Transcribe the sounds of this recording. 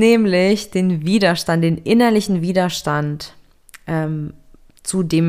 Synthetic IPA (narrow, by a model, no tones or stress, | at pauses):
nɛːmlɪçd̥eːnviːdɐʃtantd̥eːnʔɪnɐlɪçn̩viːdɐʃtant | ʔɛːm | t͡sudeːm